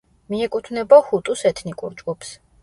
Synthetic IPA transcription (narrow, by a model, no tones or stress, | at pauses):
miɛkʼut̪ʰvnɛbɔhut̪ʼusɛt̪ʰnikʼuɾd͡ʒɡupʰs